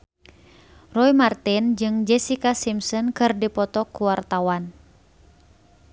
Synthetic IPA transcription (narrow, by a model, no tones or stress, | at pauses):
rɔimart̪ind͡ʒɨŋd͡ʒɛsikasimsɔnkɨrdipɔt̪ɔkuwart̪awan